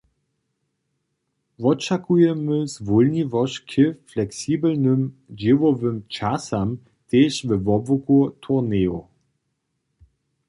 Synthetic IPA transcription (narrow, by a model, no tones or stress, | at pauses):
ʋɔt͡ʃakujɛməzvulnivɔʃkʰɪflɛksiːbəlnəmd͡ʒivɔvəmt͡ʃasam | teːʃvəvɔbvʊkutʰuʁneːo